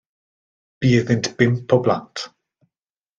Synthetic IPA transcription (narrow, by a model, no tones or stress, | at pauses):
b̥iːəðɪntb̥ɪmpʰɔblantʰ